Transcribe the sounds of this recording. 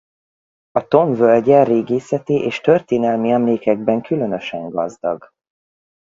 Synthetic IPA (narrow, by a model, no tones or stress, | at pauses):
ɒt̪o̞ɱvølɟɛreːɡeːsɛt̪iʔeːʃt̪ørt̪eːnɛlmiɛmleːkɛɡ̚bɛŋkʰylø̞nø̞ʃɛŋɡɒ̰zd̪ɒ̰ɡ